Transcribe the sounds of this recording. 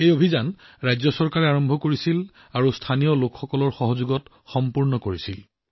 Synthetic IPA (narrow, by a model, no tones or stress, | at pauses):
ejobʱizanɹajzɔsɔɹkaɹɛaɹɔmbʱɔkoɹisil | aɹustʰanijɔlokxɔkɔlɔɹxɔɦɔzuɡɔt | xɔmpuɹnɔkoɹisil